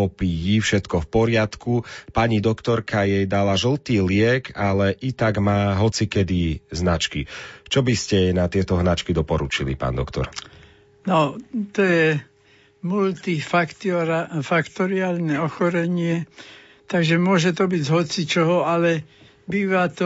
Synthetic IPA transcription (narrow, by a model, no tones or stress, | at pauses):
ɔpijifʃɛt̪kɔfpɔɾɪat̪kupaɲid̪ɔkt̪ɔɾkajɛjd̪alaʒl̩t̪iːlɪɛɡalɛʔit̪aɡmaːɦɔt͡sikɛd̪iznat͡ʃkit͡ʃɔbiscɛnat̪ɪɛt̪ɔɦnat͡ʃkid̪ɔpɔɾut͡ʃilḭpa̰ːnd̪ɔkt̪ɔ̰ɾ | nɔt̪ɔjɛ | mult̪ifakt̪ɾafakt̪ɔɾiaːlnɛɔxɔɾɛɲɪɛ | t̪aɡʒɛmʊɔʒɛt̪ɔbiɟɦɔt͡sit͡ʃɔɦɔalɛ | biːʋat̪ɔ